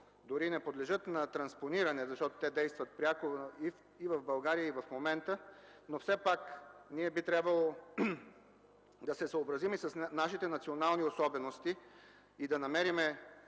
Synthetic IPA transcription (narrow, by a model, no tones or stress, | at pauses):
d̪oɾinɛpod̪lɛʒɤt̪nɐt̪ɾɐnsponiɾɐnɛzɐʃt̪ɔt̪o̥t̪ɛd̪ɛjst̪vɐt̪̚pɾʲakoi | ivɐvbɐlˠɡaɾijəivɐfmomɛnt̪ənofsɛpakniɛbit̪ɾʲabvəlˠo | d̪ɐsɛsəobɾɐzimisɐsnaʃit̪ɛnɐt̪sionalˠniosɔbɛnost̪i | id̪ɐnɐmɛɾimɛ